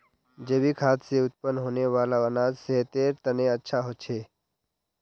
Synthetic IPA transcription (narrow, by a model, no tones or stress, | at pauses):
d͡ʒəbikʰaːt̪seut̪̚pənːɦoːneʋaːlaənad͡zseɦt̪eːɾt̪ənẽətːʃʰaɦot͡ʃʰe